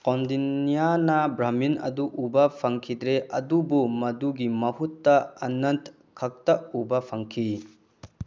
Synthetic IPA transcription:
kɔndinijanɐbɾɐminɐ̰duʔubɐpʰɐŋkʰidɾeɐdubumɐduɡimɐhutːɐɐnɐnt | kʰɐk̚tɐubɐpʰɐŋkʰi

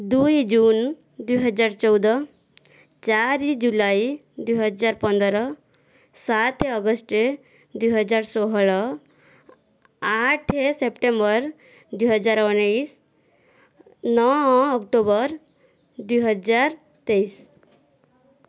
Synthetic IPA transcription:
d̪ujd͡ʒun | d̪ujɦəd͡ʒaɾt͡ʃɔwd̪ə | t͡ʃaɾid͡ʒulai | d̪ujɦəd͡ʒaɾpənd̪ɾʌ | sat̪ʰeʌɡəsʈe | d̪ujɦəd͡ʒaɾsɔɦɭʌ | aʈʰesepʈembəɾ | d̪ujɦəd͡ʒaɾɔnais | nɔɔkʈobəɾ | d̪ijɦəd͡ʒaɾ | t̪eis

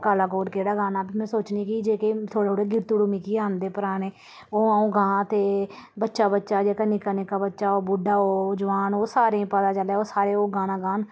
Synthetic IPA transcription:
kaːlaːkoːɾkeːɽaːɡaːnaːbiːmɛ̃ːsoːt͡ʃniːkid͡ʒeːket̪ʰoːɽet̪oːɽeːɡɪɾt̪uɽuːmiːkiːaːnd̪eːpəɾaːneː | oːəũːɡãːt̪eː | bətːʃaːbətːʃaːd͡ʒeːkənɪkaːnɪkaːbətːʃaːoːbʊɖaːoːd͡ʒəʋaːnoːsaːɾẽpət̪aːt͡ʃəleːoːsaːɾeːoːɡaːnãːɡaːn

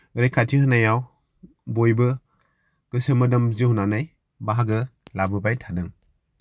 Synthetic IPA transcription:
ɾejkʰatʰihɯnajaw | bojbɯ | ɡ̥ɯsɯmɯdamzihunanaj | baɦaɡɯlabɯbajtʰadɯŋ

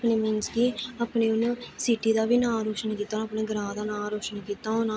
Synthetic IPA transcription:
pneːmɪnskiːaːpneːʊnːsiːʈiːd̪aːʋiːnãːɾoːʃənkiːt̪ːaːnaːpneːɡəɾãːd̪aːnãːɾoːʃənkiːt̪aːɦoːnaː

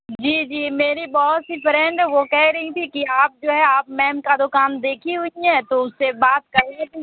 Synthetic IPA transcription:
d͡ʒiːd͡ʒiːmeːɾibɔɦʊt̪sifɾɛ̃ɳɖʋokɛɦɾɐɦit̪ʰikiaːp̚d͡ʒoːɦɛaːpmɛːmkad̪okaːmd̪eːkʰiɦʊiɦɛ̃ːt̪oʊsebaːt̪̚kɐɾiei

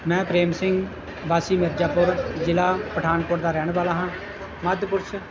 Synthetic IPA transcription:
mɛ̃ːpɾeːmsɪŋɡ | baːsiːmɪɾd͡ʒaːpʊɾd͡ʒɪlaːpəʈʰaːnkʊɾd̪aːɾɛːɳʋaːlaːɦãː | məd̪pʊɾs

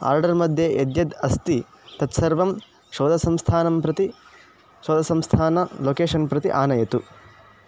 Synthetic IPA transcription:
a̰ːɾɖɐɾmɐd̪ʱjeʔed̪jɐd̪ɐst̪i | t̪ɐt̪sɐɾʋɐm | ʃoːd̪ɐsɐmst̪ʰaːnɐmpɾɐt̪i | ʃoːd̪ɐsɐmst̪ʰaːnɐloːkeːʂɐnpɾɐt̪iʔaːnɐjɐt̪u

